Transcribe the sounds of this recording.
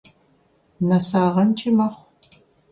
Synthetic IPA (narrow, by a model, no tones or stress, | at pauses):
nɐsaːʁɐnt͡ʃʰʼɪmɐχʷ